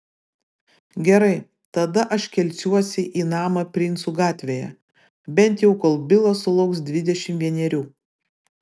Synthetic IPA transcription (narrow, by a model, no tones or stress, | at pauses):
ɡʲɛɾɐɪ | t̪ɐd̪ɐʔɐʃkʲɛlʲsʲuɔsʲɪʔiːnɑːmɐpʲɾʲɪnsuːɡɑːt̪ʲʋʲejɛ̰ | bʲɛnʲt̪jɛʊkoːlˠbʲɪlˠɐsʊlˠɐʊksd̪ʲʋʲɪd̪ʲɛʃʲɪmʋʲiɛnʲɛɾʲuː